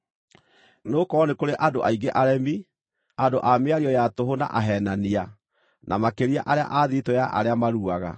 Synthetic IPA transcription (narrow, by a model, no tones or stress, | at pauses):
noːkɔnekoɾeʔadoʔaiɡeʔaɾɛmi | adoʔameaɾiɔjatoɦona̰ʔaɦɛːnania | nʔamakeɾia̰ʔaɾea̰ʔaðitojaʔa̰ɾeamaɾuaɣa̰